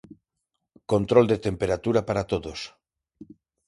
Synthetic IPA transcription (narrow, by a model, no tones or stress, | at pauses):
kont̪ɾold̪et̪empeɾat̪uɾapaɾat̪oðos